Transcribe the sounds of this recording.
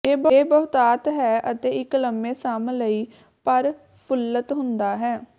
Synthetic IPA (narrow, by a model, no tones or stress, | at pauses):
eːbəeːbəːt̪aːt̪ɦɛːʔət̪eːɪkləmːeːsaːmləiː | pəɾ | pʰʊlːət̪ɦʊnd̪aːɦɛː